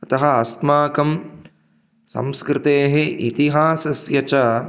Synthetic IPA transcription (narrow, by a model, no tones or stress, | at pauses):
ɐt̪ɐɦɐɐsmaːkɐm | sɐ̰mskɾɪt̪eːɦeʔit̪iɦaːsɐsjɐt͡ʃɐː